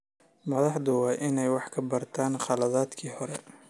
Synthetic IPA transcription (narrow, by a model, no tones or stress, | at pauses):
mɐðɑħd̪ʊwɑːʔɪnɛjwɑħkʰɐbɐrt̪ʰaːnχɑlɐðaːd̪kʰiːhɔɾɛ